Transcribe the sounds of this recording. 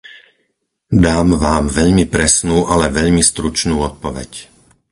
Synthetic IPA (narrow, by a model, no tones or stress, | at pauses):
d̪aːmʋaːmʋɛʎmipɾɛsnuːʔalɛʋɛʎmist̪ɾut͡ʃnuːɔt̪̚pɔʋɛ̰c